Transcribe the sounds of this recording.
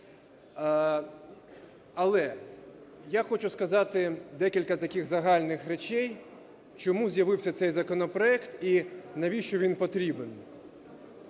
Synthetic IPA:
ɐlˠɛ | jaxɔt͡ʃʊskɐzɑt̪ɪd̪ɛkʲilʲkɐt̪ɐkʲɪɣzɐɦɑlʲnɪxɾet͡ʃɛj | t͡ʃɔmuzʲjɐʋɪwsʲɐt̪sɛjzɐkɔnɔpɾɔɛkt̪inɐʋʲiʃt͡ʃɔʋʲinpɔt̪ɾʲiben

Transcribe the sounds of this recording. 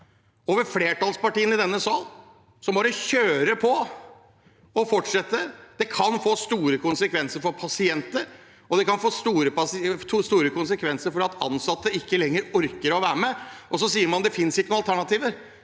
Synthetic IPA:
oːʋəɾfleːʈɑlspɑʈiːənɪd̪ɛnːəsɑl | sɔmbɑːɾəçøːɾəpʰɔ | ɔfɔʈʂɛt̪ːəd̪̥ɛkʰɑnfoːst̪uːɾəkʰʊnsəkʰʋɛnsəɾfɔɾpʰɑsɪɛnt̪əɾ | ɔd̪ɛkɑnfoːst̪uːɾəpɑst̪ʰuːst̪uːɾəkʊnsəkʰʋɛnsəɾfɔɾɑt̪ʰɑ̰nsɑt̪ːəɪkːəlɛŋːəɾɔɾkəɾɔʋæːɾəmɛʔɔs̬ɔsiːəɾmɑnd̪ɛfɪnsɪkːənʊːɑlt̪ʰæɳɑt̪iːʋəɾ

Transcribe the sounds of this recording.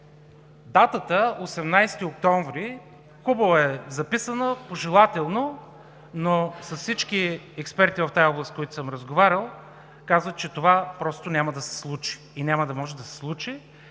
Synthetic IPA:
d̪at̪ət̪əosɛmnajst̪iok̚t̪ɔɱvɾi | xubəvoɛzɐpisənəpoʒɛlˠat̪ɛlˠno | nosɐssit͡ʃkiɛkspɛɾt̪ivɐft̪ajɔblˠəst̪̚kojat̪ʊ̥səmɾəzɡovaɾʲəlˠ | kazvət̪̚t͡ʃɛt̪ovapɾɔst̪onʲaməd̪ɐsɛ̥slˠut͡ʃi̥ːnʲaməd̪ɐmɔʒɛd̪ɐsɛ̥slˠut͡ʃi

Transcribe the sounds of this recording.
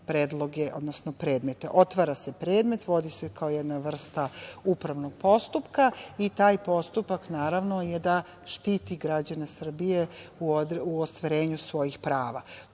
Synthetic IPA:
pɾeːd̪lˠo̞ɡe̞ʔo̞̰d̪nosnopɾe̞ːd̪me̞t̪e̞ʔo̞t̪ʋaːɾase̞pɾe̞ːd̪me̞t̪ʋo̞d̪ise̞kʰaojed̪naʋr̩st̪aupɾaʋnoɡ̥̚po̞st̪upkait̪aːjpo̞st̪upaknaːɾaʋno̞jed̪a | ʃt̪iːt̪iɡɾad͡ʑane̞sr̩bijeud̪uost̪ʋaɾe̞ːɲusʋo̞jixpɾaːʋa

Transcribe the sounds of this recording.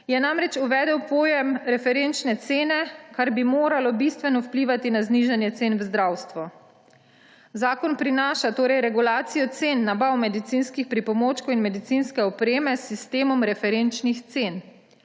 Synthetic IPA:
jɛnamɾɛt͡ʃuʋɛːd̪ɛwpoːjɛmɾɛfɛɾent͡ʃnɛt̪seːnɛkaɾbimoːɾalɔbist̪ʋɛnɔwpliːʋat̪inazniʒanjɛt̪senwzd̪ɾawst̪ʋɔ | zaːkɔnpɾinaːʃat̪oːɾɛjɾɛɡulaːt̪sijɔt̪senːabawmɛd̪it̪sinskixpɾipɔmoːt͡ʃkoinmɛd̪it̪sinskɛɔpɾeːmɛsist̪eːmɔmɾɛfɛɾent͡ʃnixt̪sen

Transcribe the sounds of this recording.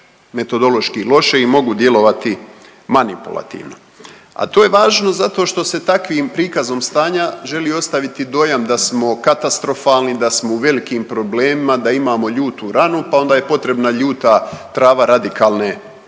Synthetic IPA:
me̞t̪o̞d̪o̞lo̞ʃkilo̞ʃe̞imo̞ɡud̪je̞lo̞ʋat̪i | manipṵlˠa̰t̪ḭːʋno̞̰ | a̰t̪o̞ːje̞ʋaːʒno̞zat̪o̞ʃt̪o̞se̞t̪akʋiːmpɾiːkazo̞mst̪aːɲaʒe̞lio̞st̪aʋit̪id̪o̞jamd̪asmo̞kat̪ast̪ɾo̞faːlnid̪asmo̞uʋe̞likiːmpɾo̞bleːmimad̪aimaːmo̞ʎuːt̪uɾanupao̞nd̪aːje̞po̞t̪ɾe̞bnaʎuːt̪at̪ɾaːʋaɾad̪ikaːlˠne

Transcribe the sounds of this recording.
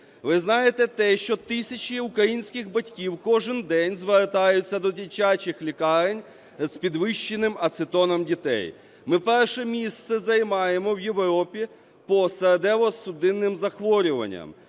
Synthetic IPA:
ʋɪznɑjet̪ɛt̪ɛʃt͡ʃɔt̪ɪsʲɐt͡ʃʲiʊkɾɐjinʲsʲkɪɣbɐtʲkʲiwkɔʒɪnd̪ɛnʲzʋert̪ɑjʊt͡sʲːɐd̪ɔdʲilʲt͡ʃat͡ʃɪxlʲikɑɾenʲ | zpʲid̪ʋɪʃt͡ʃːenɪmɐt̪sɪt̪ɔnɔmdʲit̪ɛ̰j | mɪpɛrʃɛmʲist̪sɛzɐjmɑjemɔwje̞ʋɾɔpʲi | pɔseɾed̪ɛʋɔsʊd̪ɪnːɪmzɐxʋɔɾʲʊʋɐ̰nʲːɐ̰m

